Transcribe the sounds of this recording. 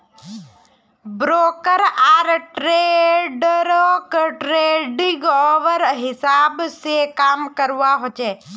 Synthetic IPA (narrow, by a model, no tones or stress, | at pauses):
bɾoːkəɾaːɾʈɾeɖɾokʈɾeːɖɪ̃ɡɔːʋəɾɦɪsaːbsekaːmkəɾʋaɦot͡ʃeː